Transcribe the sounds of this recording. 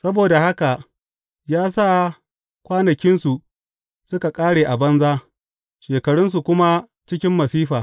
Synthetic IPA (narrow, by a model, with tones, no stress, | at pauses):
sɐ˦boː˨da˨ha˦ka˨ | jaː˦sa˦˨ | kʷaː˦nɐ˨kʲɪ˦nsu˨ʔ | sʊ˦ka˨kʼaː˦ɽeː˨ʔa˨bɐ˦nzaː˦ | ʃeː˨kɐ˨ɽʊ˦ns̬u˨kʷʊ˦ma˦ | t͡ʃɪ˦kʲɪ˦mːɐ˨siː˦ɸaː˨